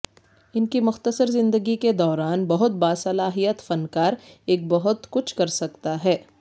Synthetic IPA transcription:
ɪnkimʊxt̪əsəɾzɪ̃nd̪əɡiked̪ɔːɾaːnbɐɦʊt̪̚baːsɐlaːɦijət̪fɐnkaːɾeːk̚bɐɦʊt̪kʊt͡ʃʰkɐɾsɐkt̪aɦɛː

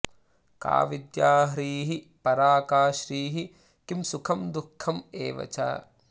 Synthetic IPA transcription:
ka̰ːʋid̪jaːɦɾiːɦi | pɐɾaːkaːʃɾiːɦi | kimsukʰɐmd̪ukʰːɐmeːʋɐ̰t͡ʃa̰ː

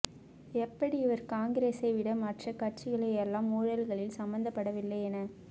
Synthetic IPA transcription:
ɛpːɐɽiɪʋɐɾkaːŋɡɪɾeːsɐɪʋɪɽɐmɐʈrɐkɐʈ̚t͡ʃɪɣɐɭɐjɛlːãːmːuːɻɐlɣɐɭɪlsɐmbɐnd̪ɐpːɐɽɐʋɪlːɐɪɛnɐ

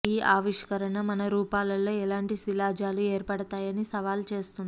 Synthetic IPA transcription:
iːʔaːʋiʂkɐɾɐɳɐmɐnɐɾuːpaːlɐlːo̞ːɛlaːɳʈisilaːd͡ʒaːlueːɾpɐɽɐt̪aːjɐnisɐʋaːlt͡ʃe̞ːst̪und̪i

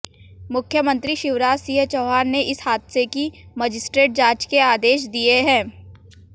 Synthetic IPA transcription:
mʊkʰjəmə̃nt̪ɾiʃɪʋɾaːd͡ʒsiːɦət͡ʃɔːɦaːɾneʔɪshaːd̪sekiməd͡ʒɪsʈɾeːʈ̚d͡ʒaːt͡ʃkeaːd̪eːʃd̪ieɦɛ̃ː

